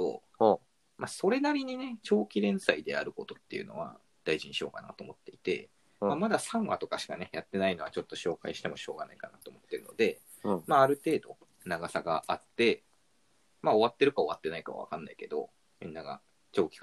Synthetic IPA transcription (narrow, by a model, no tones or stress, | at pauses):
o̰ | maso̞ɾe̞naɾʲiɲ̟ine̞t͡ɕo̞ːkʲiɾẽ̞ɰ̃said̪e̞a̰ɾɯ̟ko̞t̪o̞t̪ːe̞jɯ̟no̞̰βa̰ | d̪̥aiʑiɲ̟iɕio̞̰kana̰t̪o̞ːmo̞t̪ːe̞it̪e̞̰ | mamad̪asãɰ̃βa̰t̪o̞kaɕi̥kane̞jat̪ːe̞naino̞at͡ɕo̞t̪ːo̞ɕo̞ːkaiɕi̥t̪e̞mo̞ɕo̞ːɡanaikanat̪oːmo̞t̪ːe̞ɾɯ̟no̞d̪e̞ | maːɾɯ̟t̪e̞ːd̪o̞ | naɡasaɡaʔat̪ːe̞ | mao̞βat̪ːe̞ɾɯ̟kao̞βat̪ːe̞naika̰βa̰βa̰kãnːaike̞d̪o̞̰ | mʲḭ̃nːaɡa̰ | t͡ɕo̞ːkʲi̥k